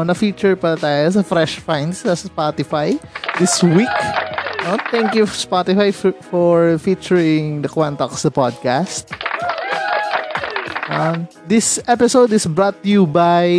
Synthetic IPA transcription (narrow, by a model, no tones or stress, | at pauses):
nɐfit͡ʃʊɹpɐɾɐt̪aːjos̬ɐfɾɛʃfajnsɐspat̪ɪfajd̪ɪswiknot̪ɛ̃ŋkjufspat̪ɪfajfɔɹfit͡ʃʊɹɪ̃ŋd̪ɐkwant̪oksd̪ɐpad̪̚kast̪̚ | ʔɐm | d̪ɪsʔɛpɪsowd̪ɪsbɹot̪̚jubaj